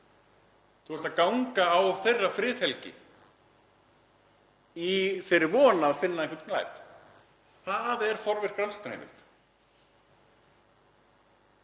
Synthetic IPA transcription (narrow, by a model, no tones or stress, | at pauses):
θuɛst̪aðkawŋkaːwθejrːafɾɪːθhɛlcɪ̰ | ifɪɾɪɾvɔːnaːðfɪnːaɛŋkvɾt̪kla̰jp | θaðɛɾ̥fɔɾvɪ̥kɾawnst̪ahḛjmɪ̰st̪